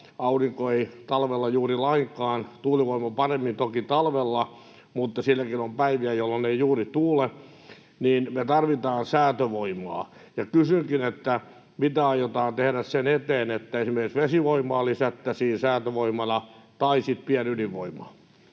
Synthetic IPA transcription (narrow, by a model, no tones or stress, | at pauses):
ɑuriŋkoeit̪ɑlʋelːɑjuːrilɑiŋkɑːnt̪uːliʋoimɑpɑremːint̪okit̪ɑlʋelːɑ | mut̪ːɑsilːækinompæiʋiæjolːoneijuːrit̪uːle | niːnmet̪ɑrʋit̪ɑːnsæːt̪øʋoimɑ̰ː | jɑkysyŋkinet̪ːæ | mit̪æɑjot̪ɑːnt̪ehɾæssenet̪eːnet̪ːæesimerkiksʋesiʋoimˑɑːlisæt̪ːæsiːnsæːt̪øʋoimɑnɑt̪ɑisit̪piænyliʋʋoimˑɑ̰